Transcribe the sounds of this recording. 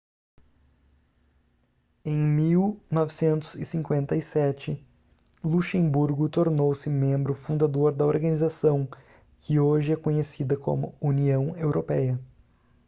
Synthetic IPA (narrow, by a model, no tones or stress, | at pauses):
ẽj̃miwnɔvɪsẽnt̪ʊ̥z̥ɪsĩŋkwẽnt̪ɐisɛt͡ʃɪ | luʃẽbuɾɡʊt̪oɾnowsɪmẽmbɾʊfũnd̪ad̪oɾd̪ɐoɾɡɐnizasɐ̃w̃ | kʰɪoʒɪɛkõɲesid̪ɐkʰõ̰mʊ̰uniɐ̃w̃ewɾʔopɛjɐ